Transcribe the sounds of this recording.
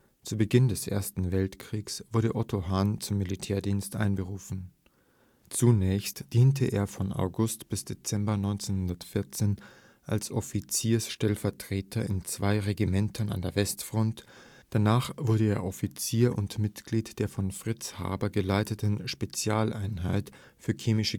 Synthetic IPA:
t͡subəɡɪndɛsʔḛːɐstn̩vɛltkʁ̥iːksv̥ʊɐɾəʔɔtʰoɦaːnt͡sʊmːilitʰɛːɐdiːnstʔa̰ɪnbəʁuːfn̩ | t͡sunɛːçstd̥iːntʰəʔḛːɐfɔnʔa̰ʊɡʊstb̥ɪsd̥et͡sɛmbɐnɔʏnt͡senhʊndɐtfɪɐt͡seːn | ʔa̰lsʔɔfit͡siːɐsʃtɛlfɛɐtʁ̥eːtʰɐɪ̰nt͡sv̥aɪʁeɡimɛntʰəna̰ndeːɐvɛstfʁ̥ɔnt | d̥anaːχv̥ʊɐɾəeːɐʔɔfit͡siːɐʔʊ̰ntmɪtɡ̥liːtd̥eːɐfɔnfʁ̥ɪt͡sha̰ːbɐɡəlaɪtətʰn̩ʃpet͡sjaːlʔaɪnɦaɪt | fyːɐkʰeːmɪʃə

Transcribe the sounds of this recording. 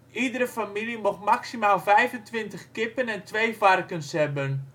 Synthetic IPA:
ʔidəɾəfamilimoxmaksimaːlˠfɛjvəntʋɪntəxkɪpənɛntʋejfarkənshɛbən

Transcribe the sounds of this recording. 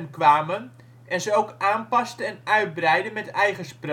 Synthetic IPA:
nkʋaːmən | ʔɛnzəowkaːnpɑstəɛnœɥt̚brɛjdəmɛtɛjχəspr

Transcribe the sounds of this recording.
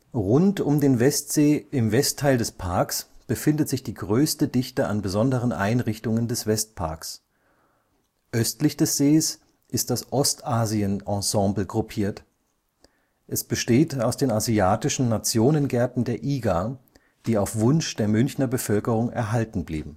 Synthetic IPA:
ʁʊntʊmdeːnvɛstz̥eːɪmvɛstʰːaɪldɛspʰaɐksb̥əfɪndətz̥ɪçd̥iːɡʁøːstədɪçtəʔa̰nbəzɔndəʁənʔa̰ɪnʁɪçtʊŋəndɛsv̥ɛst̚pʰa̰ɐks | ʔœstlɪçd̥ɛsz̥eːs | ʔɪst̚d̥asʔɔstʔaːziənʔɑ̃sɑ̃ːbl̩ɡʁupʰiːɐt | ʔɛsb̥əʃteːtaʊsd̥eːnaziaːtɪʃn̩nat͡sjoːnənɡɛɐtn̩deːɐʔiːɡa | d̥iːaʊfv̥ʊnʃd̥eːɐmʏnçnɐbəfœlkəʁ̞ʊŋʔɛ̰ɐɦaltn̩blḭːbm̩

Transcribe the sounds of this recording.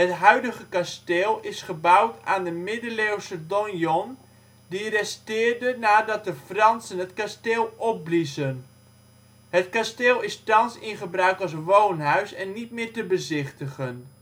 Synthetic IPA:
ɦətɦœɥdəɣəkasteːlˠɪsχəbawtaːndəmɪdəlewsədɔnjɔn | dirɛstɪːrdənaːdɑt̚dəfrɑnsənɦətkasteːlˠɔp̚blizən | ɦətkasteːlˠɪstɑnsɪnχəbrœɥkɑlˠs̬ʋownɦœɥsɛnːit̚mɪːrtəbəzɪχtəχən

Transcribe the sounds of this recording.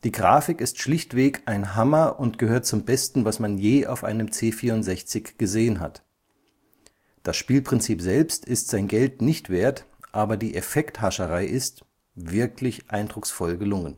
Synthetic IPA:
d̥iːɡʁaːfɪkɪstʃlɪçtv̥eːkʔaɪnɦamɐʔʊntɡ̥əhøːɐt̚t͡sʊmbɛstn̩vasmanjeːʔa̰ʊfʔaɪnəmt͡seːfiːɐʊntz̥ɛçt͡sɪçɡ̥əzeːənɦa̰t | d̥asʃpiːlpʁ̥ɪnt͡siːpz̥ɛlpstɪstz̥aɪnɡɛltnɪçtv̥eːɐtʔaːbɐdiːʔefɛkthaʃəʁaɪʔɪst | vɪɐklɪçʔaɪndʁʊksfɔlɡəlʊŋən

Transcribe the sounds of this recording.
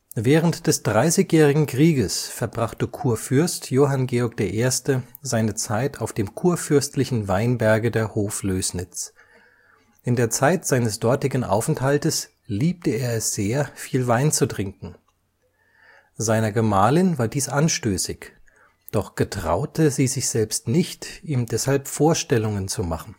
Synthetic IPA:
vɛːʁəntd̥ɛsd̥ʁaɪsɪçjɛːʁɪɡŋ̩kʁ̥iːɡəsfɛɐbʁaχtəkʰuːɐfʏɐstʰjoːɦanɡeːɔɐk̚d̥eːɐʔeːɐstəzaɪnət͡saɪtʰaʊfd̥eːmkʰuːɐfʏɐstlɪçn̩vaɪnbɛɐɡədeːɐhoːfløːsnɪt͡s | ʔɪndeːɐt͡saɪtz̥aɪnəsd̥ɔɐtɪɡŋ̩ʔa̰ʊfɛnthaltəs | liːp̚təeːɐɛsz̥eːɐfiːlvaɪnt͡sutʁ̥ɪŋkŋ̩ | zaɪnɐɡəmaːlɪnvaːɐdiːsʔanʃtøːsɪç | d̥ɔχɡ̥ətʁ̥a̰ʊtʰəziːzɪçz̥ɛlpstnɪçtʔiːmdɛshalpfoːɐʃtɛlʊŋənt͡sumaχn̩

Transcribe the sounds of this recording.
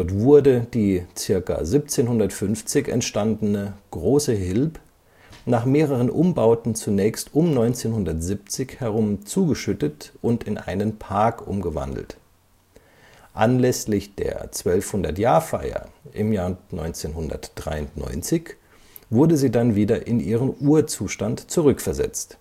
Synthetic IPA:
d̥ɔɐtv̥ʊɐdəd̥iːt͡sɪɐka̰zip̚t͡seːnhʊndɐtfʏnft͡sɪçɛ̰ntʃtandnəɡ̥ʁoːsəɦɪlp | naːχmeːʁ̞əʁ̞ənʔʊmbaʊtn̩t͡sunɛːçstʊmnɔʏnt͡seːnhʊndɐtz̥ip̚t͡sɪçhɛʁʊmt͡suːɡəʃʏtətʔʊntɪnʔa̰ɪnənpʰaɐkʔʊ̰mɡəva̰ndl̩t | ʔanlɛslɪçd̥ḛːɐt͡sv̥œlfhʊndɐtjaːɐfaɪɐ̰ʔɪmjaːɐnɔʏnt͡seːnhʊndɐ̰td̥ʁa̰ɪʊntnɔ̰ʏnt͡sɪç | v̥ʊɐdəziːdanviːdɐʔɪnʔiːʁ̞ənʔuːɐt͡suːʃtantt͡suʁʏkfɛɐzɛ̰t͡st

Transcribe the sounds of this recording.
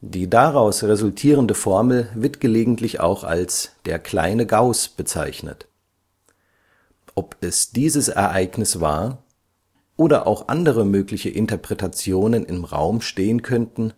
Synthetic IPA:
d̥iːdaʁaʊsʁezʊltʰiːʁ̞əndəfɔɐml̩vɪɐtɡ̥əleːɡŋ̩tʰlɪça̰ʊxa̰lsd̥eːɐkʰl̥a̰ɪnəɡaʊsb̥ət͡sa̰ɪçnə̰t | ʔɔpʰɛsd̥iːzəsʔɛ̰ɐʔaɪɡnɪsv̥a̰ːɐ | ʔoːɾɐʔa̰ʊxʔa̰ndəʁəmøːklɪçəʔɪntɐpʁ̥ɛtat͡sjoːnənɪmʁa̰ʊmʃteːənkʰœntn̩

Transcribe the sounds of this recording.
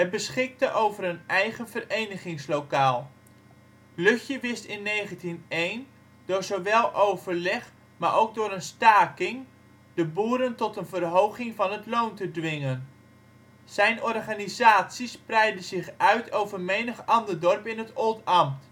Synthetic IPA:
ɦət̚bəsχɪk̚təʔowvəɾənɛjχəvərejnəχɪŋslowkaːlˠ | lɵxjəʋɪstɪnːejχəntinejn | d̥ʊːɹzowʋɛlˠʔowvəɹlɛχ | maːɹʔowɡ̚dʊːɾənstaːkɪŋ | d̥əbuːɾəntɔtənvərɦowχɪŋvɑnɦətlowntədʋɪŋən | z̥ɛjnɔrχanizaːtsisprɛjdəzɪχœɥtʰowvərmejnəχɑndərdɔrpɪnɦətolˠtɑmt

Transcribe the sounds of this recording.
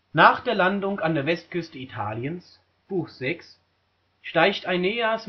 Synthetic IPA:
naːχd̥eːɐlandʊŋkandeːɐvɛst̚kʏstəitʰa̰ːljəns | b̥uːxz̥ɛks | ʃtaɪçtaɪnːeːəs

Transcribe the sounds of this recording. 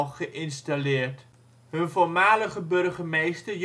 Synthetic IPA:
χəʔɪnstalɪːrt | hɵnvolˠmaːləχəbørχəmejstərj

